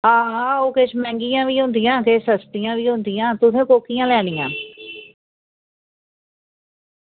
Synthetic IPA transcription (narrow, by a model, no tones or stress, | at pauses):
ɦãːɦãːoːkeʃmɛ̃ːŋɡijãːʋiːɦõːnd̪ɪjãːkesəst̪ijãːʋiːɦõnd̪ɪjãːt̪ʊsẽːkoːkijãːlɛːɽɪjã̰ː